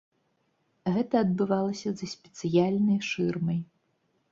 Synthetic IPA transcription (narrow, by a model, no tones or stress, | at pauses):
ɣɛt̪ɐːd̪̚bɨvalˠɐsʲɐzɐsʲpʲɛ̥t̪sɨjalʲnɐjʂɨrmɐj